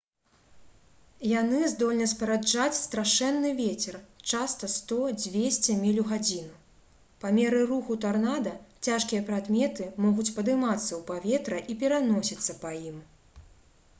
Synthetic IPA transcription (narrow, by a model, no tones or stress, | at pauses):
janɨzd̪ɔlʲnɐspɐɾad͡ʐat͡sʲst̪ɾaʂɛnːɨvʲet͡sʲɛrt͡ʂast̪ɐst̪ɔd͡zʲvʲesʲt͡sʲɛmʲilʲuɣad͡zʲinu | pamʲɛɾɨruxut̪arnad̪ɐt͡sʲaʂkʲijɐpɾad̪mʲɛt̪ɨmɔɣut͡sʲpɐd̪ɨmat̪sːɐwpavʲɛt̪ɾɐʔipʲɛɾanɔsʲit̪sːɐpɐjim